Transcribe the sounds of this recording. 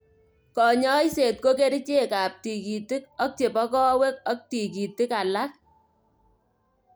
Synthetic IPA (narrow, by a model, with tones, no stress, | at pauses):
kɔ˨ɲɔ˦jse˨t̚ko˦ke˦ɾit͡ʃe˦ka˨p̚ti˨ki˨tɪ˦k̚ɔ˦k̚t͡ʃe˨pɔ˦kɔ˦we˦k̚ɔ˦k̚ti˨ki˨tɪ˦ka˨la˦k̚